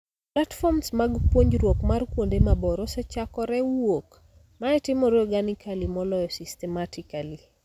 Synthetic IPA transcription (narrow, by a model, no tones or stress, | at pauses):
platfɔmsmaɡpwoɲd͡ʒɾwokmarkwondemabɔɾɔsɛt͡ʃakɔɾɛwwok | maɛtɪmɔɾɔɡanikʰalimɔlɔjɔsistɛmatikali